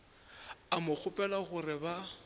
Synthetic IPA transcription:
amʊk͡xʰʊpʼɛlaɣʊrɪba

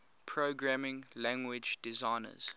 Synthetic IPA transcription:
pʰɹoɡɹæmɪ̃ŋlæ̃ŋɡwɪd͡ʒdɪzaɪnə̰z̥

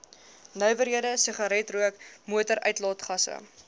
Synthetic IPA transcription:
nœɥvəɾɦiədəsəχɑɾɛtruəkmuətəɾʔœɥtlɑːtχɐsə̰

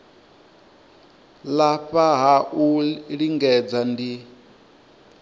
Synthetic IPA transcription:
laɸaɦaʔuɺiŋɡɛd͡zandi

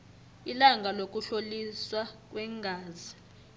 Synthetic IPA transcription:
ilaŋɡʱalok̬ʼuɬoliswak̬ʼwɛːŋɡʱaːzi

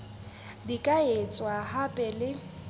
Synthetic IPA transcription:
dikʼaet͡sʼwahapʼɛlɪ

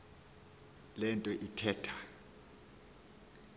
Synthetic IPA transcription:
lɛntʼɔʔitʰɛːtʰa

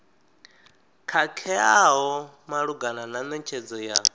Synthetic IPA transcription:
kʰakʰɛaɦɔ | maɺuɡanananɛt͡ʃʰɛd͡zɔja

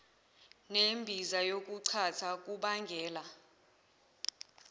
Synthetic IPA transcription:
nembʱizajok̬ʼuǀʰatʰak̬ʼuɓaŋɡʱɛːla

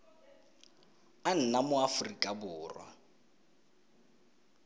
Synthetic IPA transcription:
an̩namʊafʊrikʼabʊːrwa̰

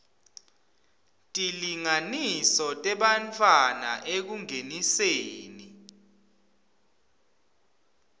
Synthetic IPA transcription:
tʼiliŋanisɔtʼɛɓant͡fʰʼwana̰ʔek̬uŋeniseːni

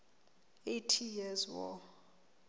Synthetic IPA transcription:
etʰijɛzwɔ̰

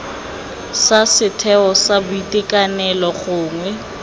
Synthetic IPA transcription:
sasɪtʰɛɔsabʊitʼekʼanɛlɔχʊːŋwɛ

